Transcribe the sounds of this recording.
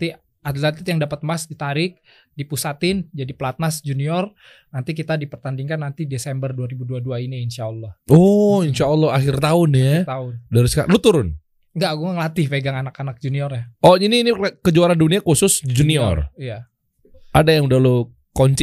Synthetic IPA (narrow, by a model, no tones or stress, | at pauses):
t̪i | adlat̪ɪt̪jaŋdapət̪̚masdit̪aɾɪk̚ | dipusat̪ɪnd͡ʒadiplat̪̚nasd͡ʒuniɔr | nant̪ikit̪adipərt̪andiŋkanːant̪idesɛmbərduaɾibuduaduainiinʃaɔlːɔhɔinʃaɔlːɔɦaxɪrt̪aʊnjat̪aʊndaɾiska̰ʔlut̪uɾʊn | ŋɡaɡuŋaŋəlat̪ɪhfeɡaŋanakanak̚d͡ʒuniɔrɲaʔɔiniːnikəd͡ʒoaɾanduniakusʊsd͡ʒuniɔ̰rija | ʔadajaŋudahlo | kɔɲt͡ʃ